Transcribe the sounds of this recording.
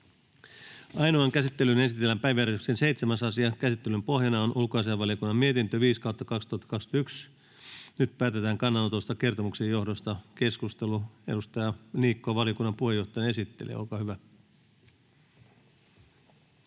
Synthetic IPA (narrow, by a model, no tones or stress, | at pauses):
ɑjnoɑŋkæsit̪ːelyne̞sit̪elːæmpæjʋjæɾesyksense̞ijt̪semæsɑsiɑkæsit̪ːelympo̞hjɑnɑonʔulkoɑsiɑʋɑlijokunːɑmmiet̪int̪øʋiːskɑwt̪ːɑkɑkst̪uɑt̪ːɑ̥kɑksy̥yt̪ːyks | nyt̪pæːt̪et̪æːŋkɑnːɑnot̪ost̪ɑke̞rt̪omuksejo̞hdo̞st̪ɑke̞skust̪eluedust̪ɑjɑliːkːoɑʋɑlijokunːɑmpuhejo̞ht̪ˑɑjɑne̞sit̪ːelḭḛolkɑhyʋæ